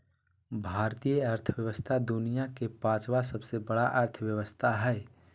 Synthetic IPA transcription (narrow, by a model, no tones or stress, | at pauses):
bʱaːɾt̪ijəɐɾt̪ʰəʋjəʋəst̪ʰad̪ʊnijakepãːt͡ʃwasəbsebəɽaʔɐɾt̪ʰəwjəʋəst̪ʰaɦɛː